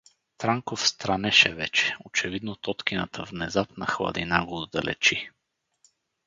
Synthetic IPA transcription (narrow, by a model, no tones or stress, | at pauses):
t̪ɾaŋkofst̪ɾɐnɛʃɛvɛt͡ʃɛ̥ot͡ʃɛvid̪not̪ɔt̪k̟inə̰t̪ʰəvnɛzapnɐxlˠɐ̰d̪inaɡoːd̪d̪ɐ̰lʔɛ̰t͡ʃi